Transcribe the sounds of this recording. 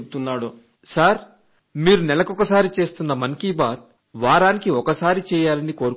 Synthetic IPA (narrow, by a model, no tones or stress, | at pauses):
put̪unːaːɽu | saɾ | miːɾunɛlɐkɔkɐsaːɾit͡ʃe̞ːst̪unːɐmɐŋkiːbaːd̪̚ | ʋaːɾaːnikiɔkɐsaːɾit͡ʃɛːjaːlɐniko̞ːɾu